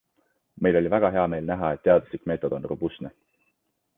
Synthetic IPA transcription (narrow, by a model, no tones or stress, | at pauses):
me̞jlo̞lʲivæɡ̥ɑɦe̞ɑme̞ːlnæɦɑe̞t̪ːe̞ɑd̪̥uslikme̞ːt̪ːˑod̪̥onrubusne